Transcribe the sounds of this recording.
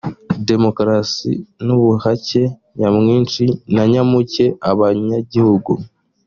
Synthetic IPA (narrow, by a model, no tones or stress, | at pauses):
de̞mo̞kɾasḭnuβuhace̞ | ɲamŋiːnt͡ʃinaɲamuce̞aβaɲaɟihuɡu